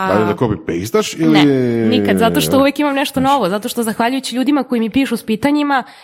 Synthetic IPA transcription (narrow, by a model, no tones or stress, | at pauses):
alid̪akobipḭst̪aʃiliɛnikad̪zat̪o̞ʃt̪ouʋekimamnɛʃt̪o̞noʋo̞zat̪o̞ʃt̪ozaxʋaʎujut͡ɕiʎuːd̪imakoimipiːʃuspiːt̪aɲima